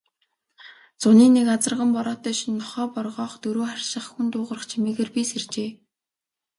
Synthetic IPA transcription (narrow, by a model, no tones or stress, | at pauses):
t͡sʊniːnekat͡sə̆rʁə̆mpɔɾɔːt̪œːʃinːɔχɔːpɔrʁɔːχt̪ɵɾoːχarʲʃə̆χxunt̪ʊːʁə̆rə̆χt͡ɕʰimeːɣeːrpisert͡ɕeː